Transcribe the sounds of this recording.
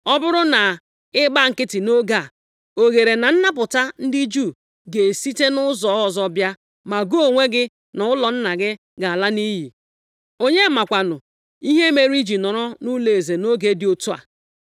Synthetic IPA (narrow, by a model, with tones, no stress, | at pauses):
ɔ˦bʊ˦ɾʊ˦na˨ | ɪ˦ɡ͡ba˦˨ŋ̩˨kɪ˦tɪ˨no˦ɡa˦˨ | o˨ɣe˨ɾe˨na˨n̩˦na˦p̬ʊ˨ta˦n̩˦dɪ˦d͡ʒu˦˨ | ɡe˨si˦te˦nʊ˦zɔ˨˦ɔ˨zɔ˦bja˦ | ma˨ɡo˦˨ŋʷe˦ɡɪ˦ | nʊ˨ʊ˦lɔ˨n̩˦na˨ɡɪ˦ | ɡa˨a˨la˦ni˦ɦi˨ | o˦ɲe˦˨ma˨kʷa˨nʊ˨ | i˦ɦe˦me˨ɾi˦d͡ʒi˨nɔ˨ɾɔ˦nu˦le˨e˨ze˨no˦ɡe˦dɪ˨˦o˨tu˦a̰˨